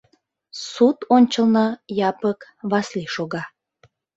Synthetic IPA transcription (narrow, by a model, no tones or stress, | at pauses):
sut̪onʲt͡ɕəlnəjɑpəkβɑsliʃoɣɑ